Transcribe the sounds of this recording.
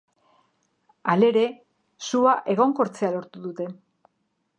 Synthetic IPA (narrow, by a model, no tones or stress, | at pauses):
ale̞ɾe̞ | suaʔe̞ɣ̞o̞ŋko̞ɾt͡se̞alo̞ɾt̪uðut̪e̞